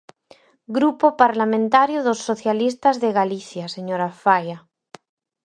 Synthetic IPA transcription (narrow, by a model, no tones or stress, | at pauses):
ɡɾupopaɾlamẽnt̪aɾjoðosːoθjalist̪azðeɣaliθjaseɲoɾafaja